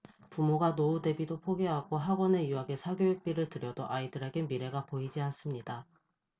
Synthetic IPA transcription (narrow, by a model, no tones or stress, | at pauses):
pumoɡanoude̞bidopʰoɡeɦaɡoɦaɡwʌne̞uaɡe̞sʰaɡjojek̚p͈iɾɯɭtɯɾjʌdoʔaidɯɾe̞ɡe̞miɾe̞ɡapoid͡ʑians͈ɯmɲida